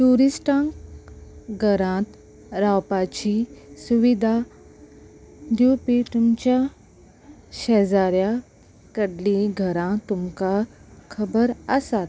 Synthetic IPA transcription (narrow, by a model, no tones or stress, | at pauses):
ʈuɾisʈãŋk | ɡʱəɾãt̪ | ɾawpat͡ɕisuʋid̪ʱa | d̪upit̪umt͡ɕja | ɕɛd͡zaɾja | kəɽliɡʱəɾãt̪umkakʰəbəɾəsat̪